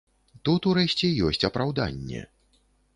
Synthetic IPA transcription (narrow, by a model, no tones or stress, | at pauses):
t̪ut̪uɾɛʃʲt͡sʲɛjɔsʲt͡sʲɐpɾawd̪a̰nʲːɛ̰